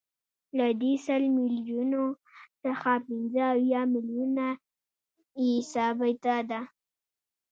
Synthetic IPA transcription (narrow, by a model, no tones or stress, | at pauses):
lad̪esəlmɪljuno | saxapɪnzəːwjɑmɪljuna | isɑbajt̪ad̪a